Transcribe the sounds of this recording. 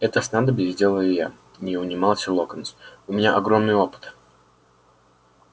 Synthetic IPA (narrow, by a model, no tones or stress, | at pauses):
ɛt̪əsnand̪əbʲɪvʲidʲelˠəɪja̰ | nʲɪʊnʲɪmɑlˠsʲəlˠokənsʊmʲɪnʲaʔɐɡɾomnɨjo̞pɨ̥t̪